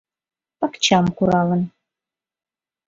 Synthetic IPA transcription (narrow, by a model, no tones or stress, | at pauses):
pakt͡ʃʰamkuɾɑlən